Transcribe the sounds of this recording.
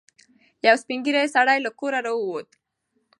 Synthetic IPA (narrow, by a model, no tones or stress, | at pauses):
jawspiŋɡiɾajsaɽajlakoɾaɾawot̪